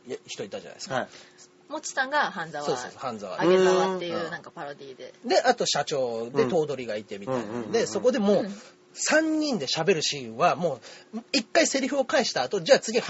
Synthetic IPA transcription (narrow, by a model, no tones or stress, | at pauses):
çi̥t̪o̞it̪ːaʑa̰na̰i̥ska | mot͡ɕi̥sãŋɡaɦãnd͡zasoːsoːsohãnzaβa̰aɡet̪aβat̪ːejɯnãŋkapaɾo̞d̪ʲiːd̪e̞d̪e̞ʔat̪o̞ɕat͡ɕo̞ːd̪e̞t̪o̞ːd̪o̞ɾʲiɡait̪e̞mʲiainand̪e̞so̞ko̞d̪e̞mo̞ː | sãɲ̟ːĩnd̪e̞ɕabe̞ɾɯ̟ɕĩːɰ̃βamo̞ːikːaise̞ɾʲiçoːkaiɕi̥t̪aːt̪o̞d͡ʑaːt͡sɨɡʲi